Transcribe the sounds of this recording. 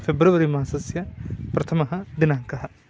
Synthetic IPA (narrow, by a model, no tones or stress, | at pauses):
fʰebɾuʋɐɾimãːsɐsjɐpɾɐt̪ʰɐmɐɦɐd̪ɪnaːŋkɐɦɐ